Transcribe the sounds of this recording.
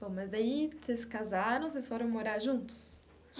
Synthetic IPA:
b̥õmɐzd̪aiseskazaɾɐ̃w̃sejsfoɾɐ̃w̃moɾaɾʒũnt̪ʊ̥s | ʒ

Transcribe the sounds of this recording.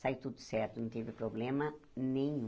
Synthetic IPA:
sajʊt̪ud̪ʊ̥sɛɾt̪ʊnɐ̃w̃t̪ivɪpɾoblẽmɐnẽj̃

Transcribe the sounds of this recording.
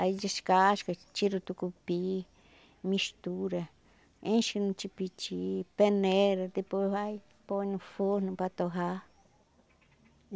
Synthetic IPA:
aid͡ʒiʃkaʃkat͡ʃiɾut̪ukupi | mĩst̪uɾa | ẽʃinũt͡ʃipit͡ʃipenẽɾat̪ipoβaj | ponũfonũpat̪oɦa

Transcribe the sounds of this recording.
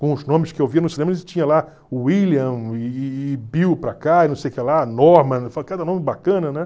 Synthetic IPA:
kõʊznõmɪskɪewviɐnʊsinẽmɐest͡ʃĩɲɐla | ʊwiliɐ̃ɪːbiwpɾɐkainɐ̃sejʊkɛlanɔɾmɐ̃falkad̪ɐnõmɪbakɐ̃nɐnɛ̃

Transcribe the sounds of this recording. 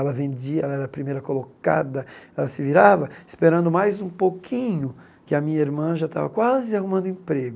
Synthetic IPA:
ɛlɐvẽd͡ʒiɐɛlɐɛɾɐpɾimejɾɐkoloka̰d̪ɐɛlɐsɪviɾavɐɪ̥speɾɐ̃nd̪ʊmajzũpokʰĩɲʊ | kɪɐmĩɲɐiɾmɐ̃ʒat̪a̰vɐ̰kwazɪahumɐ̃nd̪ʊẽpɾeɡʊ

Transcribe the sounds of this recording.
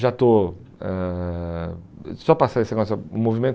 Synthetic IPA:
ʒat̪o | ɛ | sɔpasaesẽɡɔ̃s̬ɐṵ̃movimẽt̪

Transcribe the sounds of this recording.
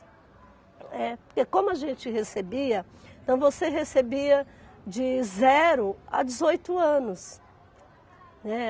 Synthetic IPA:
ɛpoɾkekõmʊɐʒẽt͡ʃɪɦesebiɐ | ẽt̪ɐ̃w̃voseɦesebiɐd͡ʒɪzɛɾʊa̰d͡ʒɪzojt̪ʊɐ̃nʊs | nɛ

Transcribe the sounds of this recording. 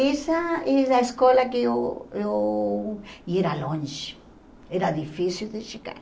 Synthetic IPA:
esaezðaeskolakeoo | ieɾalõnʃe̥ | eɾaðifisild̪eʃika̰ɾ

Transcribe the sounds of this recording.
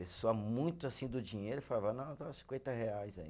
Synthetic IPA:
pesoɐmũj̃t̪ʊasĩd̪ʊd͡ʒĩɲejɾʊifalavɐnɐ̃w̃t̪asĩkwẽnt̪ɐheajzaḭ̃

